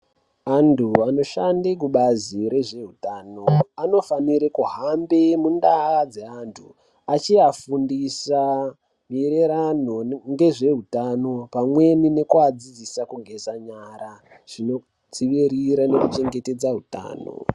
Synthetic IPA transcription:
antʰuano̞ʃandek̬uɓaziɾe̞ʐe̞ɦutaːnoano̞faniɾekuɦambemundaad͡ze̞antʰu | at͡ʃiafundisa | miɾeɾan̤o̞ŋɡe̞ʐe̞ɦutano̞pamwe̞nine̞kuad͡zid͡zisakuɡʱe̞saɲaɾa | ʐ̥ino̞ | d͡ziʋiɾiɾane̞kut͡ʃe̞ŋɡe̞te̞d͡zaɦuta̰ːno̰

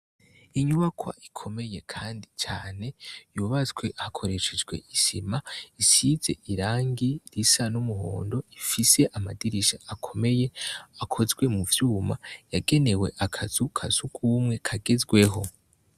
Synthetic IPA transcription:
iɲuβakʰwa̰ʔikʰo̞me̞je̞kʰaːndit͡ʃaːne̞juβazɡwe̞hakʰo̞ɾe̞ʃed͡ʒɡwe̞̰ʔisimaisiz̥e̞̰ʔiɾaːŋɡiɾisanumuho̰ːndo̞ifise̞ʔamadiɾiʃaakʰome̞jeakʰo̞zɡwe̞muvjuːmajaɡe̞ne̞we̞̰ʔakʰaz̥ukʰaz̥ukʰuːmŋe̞kʰaɡezɡwe̞ɦo̞

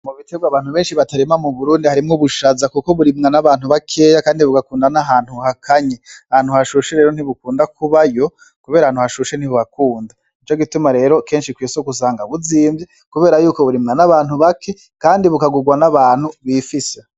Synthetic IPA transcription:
muβiteɡwaβaːn̥huβe̞ːnʃiβataɾimamuβuɾuːndihaɾimŋuβuʃazakuko̞βuɾimŋanaβaːn̥uβakʰe̞ːjakaːndiβuɡakuːndanaɦaːn̥huhakʰaɲeahaːn̥huhaʃuʃeɾe̞ːɾo̞n̥iβukuːndakʰuβajo̞ | kuβe̞ːɾahaːnhuhaʃuʃe̞n̥hiβuβakuːnda | it͡ʃo̞ɡitumaɾe̞ːɾo̞ke̞ːnʃikwiːsokus̬aːŋɡaβuziːmbje | kuβe̞ːɾajuːko̞βuɾimŋanaβaːnuβakʰe̞ | kaːndiβukaɡuɡwanaβaːn̥huβiːfise

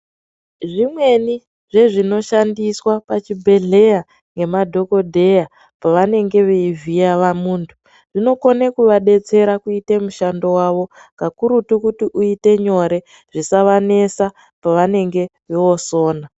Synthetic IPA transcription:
ʐimwe̞ni | ʐe̞ʐino̞ʃandiswapat͡ʃibʱe̞ɮe̞ja | ŋɡe̞madʱo̞ko̞dʱe̞ja | paʋane̞ŋɡe̞ʋeivijaʋamuːntʰu̥ | ʐ̥ino̞konekuʋaɗe̞t͡se̞ɾakuite̞muʃando̞waʋo̞ŋɡakuɾutukutiʔuite̞ɲo̞ɾe̞ | ʐ̥isaʋane̞sa | paʋane̞ŋɡe̞ʋeo̞so̞ːna

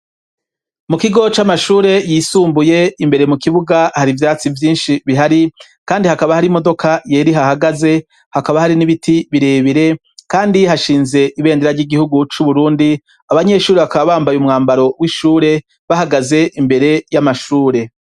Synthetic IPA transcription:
mukiɡo̞t͡ʃamaʃuːɾe̞jisuːmbuje̞imbe̞ɾe̞mukiβuɡahaɾivjaːt͡sivjiːnʃiβiɦaɾi | kaːndihakaβahaɾimo̞do̞kʰaje̞ːɾiɦahaɡaze̞ | hakaβahaɾiniβitʰiβiɾe̞ːβiɾe̞ | kaːndihaʃiːnze̞ʔiβe̞ːndeɾaɾɟiɡihuɡut͡ʃuβuɾuːndi | aβaɲe̞ʃuːɾeβakaβaβaːmbajumŋaːmbaɾo̞wiʃuːɾe̞ | βahaɡaze̞ʔimbe̞ɾe̞jamaʃuːɾe̞

